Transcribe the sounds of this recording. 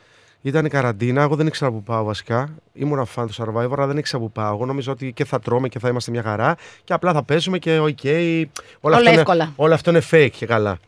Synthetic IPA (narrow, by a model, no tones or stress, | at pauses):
it̪ɐnikɐɾɐnd̪inɐeɣo̞ðe̞nikse̞ɾɐpupɐo̞vɐsi̥kɐḭmunɐfɐnt̪osɐɾvɐivoɾɐlɐðe̞nikseɾɐpupɐoɣo̞no̞mizoot̪iceθɐt̪ɾo̞mece̞θɐimɐst̪emɲɐxɐɾɐce̞ɐplɐθɐpe̞zume̞ce̞oce̞ij | olɐfltoeinekolɐo̞loɐft̪oinefekce̞kɐlɐ